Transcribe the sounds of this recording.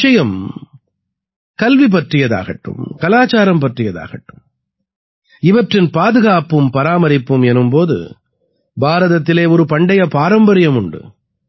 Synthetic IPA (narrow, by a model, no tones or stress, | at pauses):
t͡ʃɐjɐm | kɐlʋip̬ɐʈrɪjɐða̰ːɣɐʈːɯ̰mkɐlaːt͡ʃaːɾɐmpɐʈrɪjɐða̰ːɣɐʈːɯm | ɪʋɐʈrɪnpaːðɯɣaːpɯmpɐɾaːmɐɾɪpːɯmɛnɯmpoːðɯ̰ | bʱaːɾɐðɐt̪ːɪleːɔɾɯpɐɳɖɐjɐpaːɾɐmbɐɾɪjɐmʊɳɖɯ̰